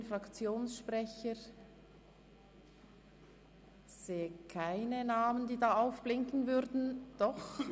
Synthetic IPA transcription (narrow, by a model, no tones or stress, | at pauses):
nfʁɑkt͡sjoːnsʃpʁɛçəɾ | z̥eːəkʰaɪnənaːməndiːdɑːaʊfb̥lɪŋkn̩vʏɾdn̩d̥ɔχ